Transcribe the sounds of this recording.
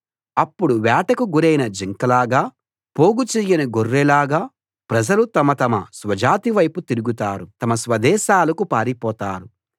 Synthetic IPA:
ɐpːuɽuʋɛːʈɐkuɡuɾɐjnɐd͡ʒiŋkɐlaːɡaː | po̞ːɡut͡ʃijːɐnɐɡorːɛlaːɡaː | pɾɐd͡ʒɐlut̪ɐmɐt̪ɐmɐsʋɐd͡ʒaːt̪iʋɐjput̪iɾuɡut̪aːɾut̪ɐmɐsʋɐd̪ɛːʃaːlɐkupaːɾipɔːt̪aːɾu

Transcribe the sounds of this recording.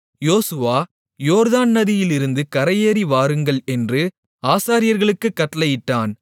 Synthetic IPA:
joːsɯʋaː | joːɾðaːnnɐðɪjɪlɪɾɯnd̪ɯkɐɾɐjeːɾiʋaːɾɯŋɡɐɭɛndrɯ | aːsaːɾɪjɐɾɣɐɭɯkːɯkːɐʈːɐlɐjɪʈːaːn

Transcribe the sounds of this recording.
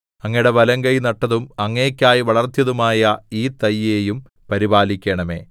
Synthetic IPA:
ɐŋːɐjɽebɐlɐŋɡɐjnɐʈːɐðumɐŋːeːkʲːaːjiʋɐɭɐrt̪jɐðumaːjɐiːt̪ɐjːeːjum | pɐɾibaːlikʲːeɳɐme̞̰ː

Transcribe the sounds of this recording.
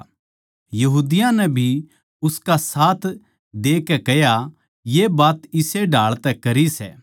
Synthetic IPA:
jɐɦuːd̪ɪjãnɛbʱi | ʊskasaːt̪ʰ | d̪eːkɛkɛja | jebaːt̪ɪseɖʱaːɭt̪ɛkɐɾisɛ̰ː

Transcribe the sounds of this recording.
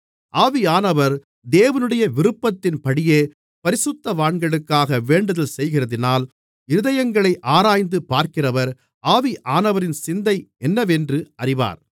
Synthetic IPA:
ʔaːʋiaːnɐʋɐɾ | d̪eːʋɐnɯɽɐjɐʋɪɾɯpːɐt̪ːɪnpɐɽɪjeː | pɐɾɪsʊt̪ːɐʋaːɳɡɐɭɯkːaːɣɐʋeːɳɖɐðɐlsɛjɣɪrɐðɪnaːl | ɪɾɯðɐjɐŋɡɐɭɐɪʔaːɾaːjnd̪ɯpːaːɾkɪrɐʋɐɾ | ʔaːʋiʔaːnɐʋɐɾɪnsɪnd̪ɐɪɛnːɐʋɛndrɯɐrɪʋa̰ːɾ

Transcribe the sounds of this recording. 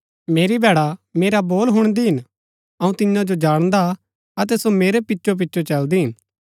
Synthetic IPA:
meːɾibʱɛːɽameːɾaboːlɦʊɽ̃d̪iɦɪn | ɐũt̪ɪãd͡ʒod͡ʒaːɽ̃d̪a | ɐt̪̬ɛsomeːɾepɪtːʃʰop̬ɪtːʃʰot͡ʃɐld̪iɦɪn

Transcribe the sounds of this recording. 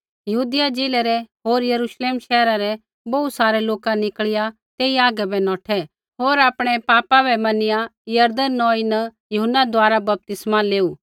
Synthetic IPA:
jɐɦuːd̪ɪjad͡ʒeːlɛɾɛɦoːɾjɐɾuːʃleːmʃɛːɾaɾɛ | bɐusaːɾɛloːkanɪkɭɪja | t̪eːiaːɡɛbɛnɔːʈʰɛ | ɦoːɾaːpɽ̃ɛpaːpabɛmɐnɪjajɐɾd̪ənːɔ̃ːinɐ | jʊɦənːad̪waːɾabɐp̚t̪ɪsmaleːuː

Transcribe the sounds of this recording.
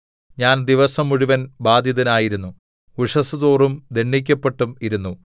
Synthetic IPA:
ɲaːnd̪iʋɐsɐmːuɻiʋɐnbaːd̪ʱjɐðɐnaːjiɾunːu | kuʂɐsuðoːrumd̪eɳːik̬ʲːɐpːe̞ʈːumiɾunːu

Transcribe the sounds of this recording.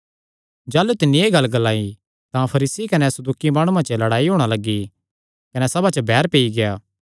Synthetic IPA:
d͡ʒaːlut̪ɪnːĩeːɡɐlːɡɐlaːi | t̪ãpʰɐɾiːsikɐnɛsɐd̪uːkimaːɽ̃ũãt͡ʃəlɐɽaːiɦoːɽ̃alɐɡːi | kɐnɛsɐbat͡ʃəbʱɛːɾpeːiɡejaː

